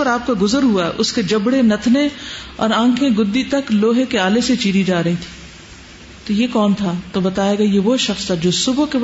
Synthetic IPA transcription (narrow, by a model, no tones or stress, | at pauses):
əɾaːp̚kaɡʊzəɾɦuaɦɛʔʊsked͡ʒɐbɽenɐt̪ʰneɔ̰ːɾãːkʰẽɡʊd̪ːit̪ɐkloːɦekeaːleset͡ʃiːɾid͡ʒaːɾɐɦĩt̪ʰi̥ː | t̪ojekɔːnt̪ʰat̪obɐt̪aːeːɡajeʋoʃɐxst̪ʰad͡ʒoːsʊbke